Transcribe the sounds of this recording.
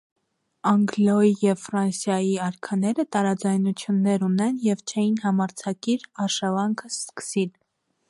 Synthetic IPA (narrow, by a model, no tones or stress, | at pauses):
ɑŋɡlɔijɛvfɾɑnsjɑjiɑɾkʰɑnɛɾət̪ɑɾɑd͡zɑjnut͡sʰjunːɛɾunɛnjɛvt͡ʃʰɛjinhɑmɑɾt͡sʰɑkiɾɑʃɑvɑŋkʰəskə̥sil